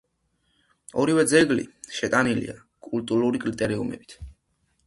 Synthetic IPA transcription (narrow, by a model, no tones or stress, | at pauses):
ɔɾivɛd̪zɛɡlḭʃɛt̪ʼanilḭa | kʼult̪ʼuɾuɾikʼɾit̪ʼɛɾiumɛ̰bi̥t̪ʰ